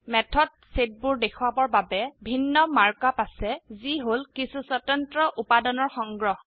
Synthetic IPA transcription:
mɛtʰɔt̚set̚buɹdekʰwabɔɹbabɛbʱinːɔmaɹkapasɛziɦolkisuswɔtɔntɹɔʔupadɔnɔɹxɔŋɡɹɔɦ

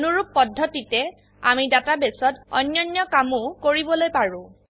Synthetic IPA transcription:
nuɹuppːɔdʱːɔtitɛ | amidatabesɔtɔ̰njɔnjɔkamʊkoɹibɔlojpaɹʊ̃

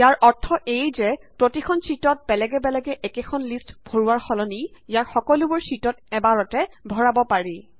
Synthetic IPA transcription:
jaɹʔɔɹtʰːɔʔejzɛpɹotikʰɔnsitɔt̚bɛlɛɡɛbɛlɛɡɛʔɛkekʰɔnlistb̥ʱoɹuwaɹxɔlɔniijakxɔkɔlubʊɹsitɔtɛbaɹɔtɛbʱɔɹabɔpaɹi

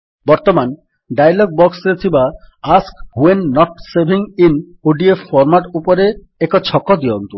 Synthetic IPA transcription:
bɔɾt̪oman | ɖajlɔɡ̚bɔksɾet̪ʰiba | askɦuenːɔʈsebʱiŋin | oɖiefɔɾmaʈupoɾe | ɛkot͡ɕʰɔkːod̪iont̪u

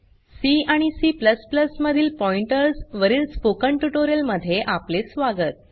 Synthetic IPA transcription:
siaɽ̃isipləspləsməd̪ʱiːlpɔiɳʈəɾsʋəɾiːlspokəɳʈuʈoɾijəlməd̪ʱːjeʔaplesʋaɡət̪̚

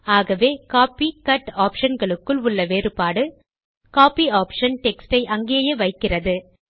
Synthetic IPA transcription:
aːɣɐʋeːkaːpikɐʈaːpʂɐnɡɐɭɯkːɯɭʊɭːɐʋeːɾɯpaːɽɯ | kaːpiaːpʂɐnʈɛksʈɐɪʔɐŋɡijɐjɐʋɐɪkːɪrɐðɯ

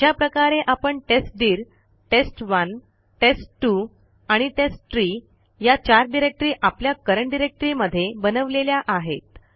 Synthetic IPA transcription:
japɾəkaɾeʔapəɳʈesʈ̚ɖiːɾ | ʈesʈʋən | ʈesʈʈːu | aɽ̃iʈesʈʈɾiː | jat͡ɕaɾɖiɾek̚ʈɾiːʔapljakəɾəɳɖiɾek̚ʈɾiməd̪ʱːjebənəʋleljaʔaɦḛt̪

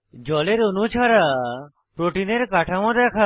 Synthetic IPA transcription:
d͡ʒɔleɾonut͡ʃʰaɾa | pɾoʈineɾkaʈʰamɔd̪ɛkʰa

